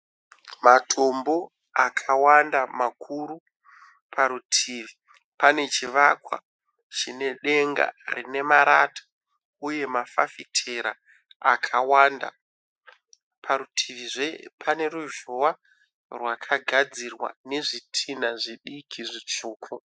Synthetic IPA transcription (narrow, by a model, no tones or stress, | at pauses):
matʰo̞mbo̞ | akʰawandamakʰuɾu | pʰaɾutʰiːʋi | pane̞t͡ʃiʋakwa̰ | t͡ʃine̞ɗe̞ŋɡa̰rḭne̞maɾatʰḁ | uje̞mafa̰fitʰe̞ɾa̰ | akʰawanda̰ | pʰaɾutʰiʋiʐepʰane̞ɾuʒowa | rwakʰaɡʱad͡zirwa̰ne̞ʐitʰinaʐiɗikʰiʐit͡ʂuːkʰu